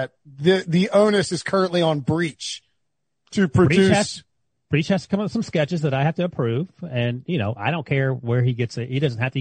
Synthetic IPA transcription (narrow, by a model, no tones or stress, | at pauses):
ɨt̚ðɨðiʔõʊ̃nɨsɨz̥kʰɜ˞ɨ̃nʔliə̃nbɹit͡ʃ | tʰɨpʰɹ̥ɨɹiʉhæz | b̥ɹit͡ʃhɨz̥tə̥kʰʌ̃mʌ̥sʌ̃mskɛt͡ʃɨzðɨɾaɪhæftɨːpʰɹ̥ʉv̥ɨ̃njɨnoʊʔa̰ɪɾõʊ̃nkʰɛɹwə˞iɡɛtsɪthidʌzn̩t̚hæftɨ